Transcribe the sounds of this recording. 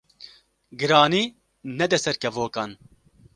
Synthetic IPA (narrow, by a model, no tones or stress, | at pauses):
ɡɨɾaːniː | nɛd̪ɛsɛɾkɛvoːkɑːn